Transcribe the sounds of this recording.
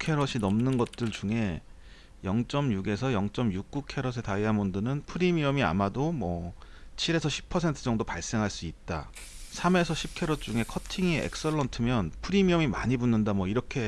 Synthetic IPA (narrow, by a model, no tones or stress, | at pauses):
kʰe̞ɾʌɕʰinʌmnɯnɡʌt̚t͈ɯɭt͡ɕuŋe̞ | jʌŋt͡ɕ͈ʌmjuɡe̞sʰʌjʌŋt͡ɕ͈ʌmjuk̚k͈ukʰe̞ɾʌs̬ʰe̞taiamondɯnɯnpʰɯɾimiʌmia̰madomwʌt͡ɕʰiɾe̞sʰʌɕʰi̥p̚ʰʌsʰe̞ntʰɯ̥d͡ʑʌŋdopaɭs͈e̞ŋɦaɭs͈uit̚t͈a̰ | sʰame̞sʰʌɕʰip̚kʰe̞ɾot͡ɕ͈uŋe̞kʰʌtʰiŋieḛk̚s͈ʌɭːʌntʰɯmjʌnpʰɯɾimiʌmimaɲibunːɯndamwʌiɾʌkʰe̞